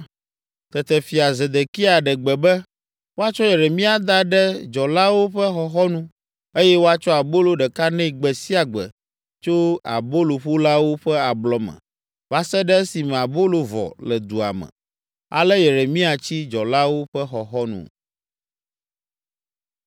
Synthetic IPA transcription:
t̪ɛ˨t̪ɛ˨fi˨a˨ze˨d̪e˨ki˦a˨ɖɛ˨ɡ͡bɛ˨bɛ˦ | wo˦a˦t͡ʃɔ˦je˨ɾe˨mĩ˦a˨d̪a˦ɖɛ˦d͡ʒɔ˨la˦wo˦ɸɛ˦xɔ˨xɔ˦nũ˦ | e˦jɛ˦wo˦a˦t͡ʃɔ˦a˨bo˦lo˦ɖɛ˨ka˦nɛ̃˦i˨ɡ͡bɛ˨si˦a˨ɡ͡bɛ̰˨ | t͡ʃo˦a̰˨bo˦lo˨ɸo˦la˦wo˦ɸɛ˦a˨blɔ˨mɛ̰̃˨ | va˦sɛ˦ɖɛ˦si˨mɛ̃˨a˨bo˦lo˨vɔ̰˨lɛ˨d̪u˨a̰˨mɛ̰̃˨ | a̰˨lɛ˦je˨ɾe˨mĩ˦a˨t͡ɕi˦d͡ʒɔ˨la˦wo˦ɸɛ˦xɔ˨xɔ˦nṵ̃˨

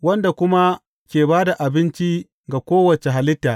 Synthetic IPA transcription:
wɐ˦nda˨kʷʊ˦ma˦ | kʲeː˨baː˦da˨ʔa˨bɪ˦nt͡ʃi˦ | ɡa˨kʷoː˦wɐ˨t͡ʃe˨ɦa˨lɪ˦tːaː˨ʔ

